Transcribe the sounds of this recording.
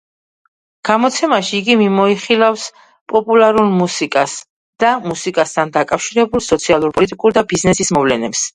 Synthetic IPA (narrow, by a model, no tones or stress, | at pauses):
ɡ̥amɔt̪sʰɛmaʃiːɡimimɔiχilˠafs | pʼɔpʼulˠaɾulmusikʼas | d̪̥amusikʼast̪ʰand̪akʼafʃiɾɛbulˠsɔt̪sʰialˠuɾpʼɔlit̪ʼikʼuɾd̪abiznɛsismɔvlɛnɛps